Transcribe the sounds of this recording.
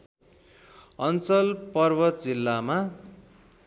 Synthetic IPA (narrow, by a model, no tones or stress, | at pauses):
ʌnt͡sʌlpʌrbʌd͡zilːama